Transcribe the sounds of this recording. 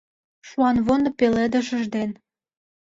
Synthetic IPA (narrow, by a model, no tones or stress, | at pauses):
ʃuɑnβond̪ŏpelĕd̪ə̆ʃə̆ʒd̪en